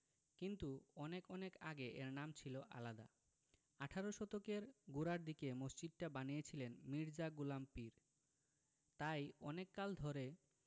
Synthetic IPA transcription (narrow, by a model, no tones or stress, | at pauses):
kint̪uɔnekɔnekaɡeʔeɾnamt͡ɕʰiloʔa̰lad̪a̰ | aʈʰaɾoʃɔt̪okeɾɡuɾaɾd̪ikemosd͡ʑid̪̚ʈabanijet͡ɕʰilenmiɾd͡ʑaɡulampiɾ | t̪ajɔnekːald̪ʱoɾe